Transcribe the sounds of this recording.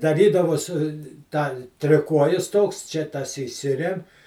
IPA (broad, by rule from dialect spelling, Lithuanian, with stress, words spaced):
dɐˈrʲiːdɐʋoːs ˈtɑː tʲrʲɪˈkuɔjɪs ˈtoːks t͡ʃʲɛ ˈtɐs iːˈsʲɪrʲɛm